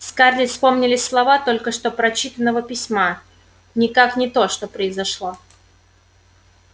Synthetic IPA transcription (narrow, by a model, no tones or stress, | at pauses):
skarlʲɪspo̞mnʲɪlʲɪsʲslˠɐvat̪o̞lʲkəʂt̪o̞pɾɐt͡ɕit̪ənːəvəpʲɪsʲma | nʲɪkaknʲɪt̪o̞ʂt̪o̞pɾəɪzɐʂlˠo̞